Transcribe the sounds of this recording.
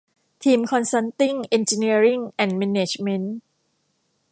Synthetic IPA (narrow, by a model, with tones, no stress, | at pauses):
t̪ʰiː˧mkʰɔ˧nsa˦˥nt̪i˥˩ŋʔe˧nt͡ɕi˧ni˦˥ɐɾi˥˩ŋʔɛ˨˩nmɛ˧neː˨˩t͡ɕme˧˥n